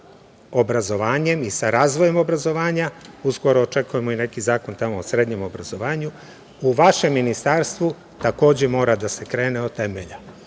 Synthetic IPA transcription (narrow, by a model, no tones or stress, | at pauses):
o̞bɾazo̞ʋaːɲe̞misaɾaːzʋo̞je̞mo̞bɾazo̞ʋaːɲausɡo̞ɾoːt͡ʃe̞kuje̞mo̞ine̞kizaːko̞nt̪amoːsɾeːd̪ɲe̞mo̞bɾazo̞ʋaːɲu | uʋaʃe̞mːinist̪aɾst̪ʋu | t̪ako̞ːd͡ʑemo̞ːɾad̪ase̞kɾe̞ːneot̪e̞meʎa